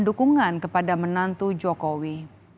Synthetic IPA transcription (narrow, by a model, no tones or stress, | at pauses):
ndukuŋankəpadamənant̪ud͡ʒɔkowi